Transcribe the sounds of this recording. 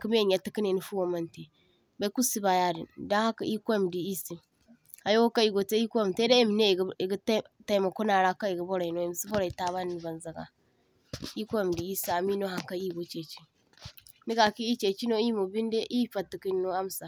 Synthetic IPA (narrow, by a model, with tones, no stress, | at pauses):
ki˦m˦e˦ɲa˨ti˦ki˦ne˨ni˨fu˦wo˨ma˦nti˨ | ba˦ku˦si˦ba˨ja˦di˨nda˦ha˦kḭ˨i˦kʷm˨di˨i˦si˨m | a˨jo˦o˦ka˦i˦ɡo˨te˦i˦kʷm˨te˦de˦e˦mi˨ne˦˨˦i˨ɡtta˦i˦˨ma˨ko˦na˨ɾa˦ka˦i˨ɡi˨˦bo˦ɾa˨i˨no˦e˨m˨si˦bo˦ɾa˨i˨ta˨βa˦n˨ba˨nza˨ɡa̰˨ | i˦kʷo˦˨m˨di˨i˦si˦a˨mi˦no˦ɦa˨ŋka˦i˦ɡo˦t͡ʃe˨t͡ʃi˦ | ni˦ka˨ki˦i˦t͡ʃe˨t͡ʃi˦no˦i˦mo˨bi˦nde˦ʔi˦fa˨ti˨ki˦no˦a˦m˨sa˨